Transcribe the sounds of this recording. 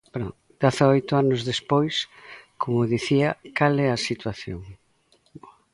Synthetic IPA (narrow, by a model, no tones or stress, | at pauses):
bɾo | d̪̥aθaojt̪ʊanʊzðespojskʰomʊðiθiɐkalɛɐsit̪waθjo̰ŋ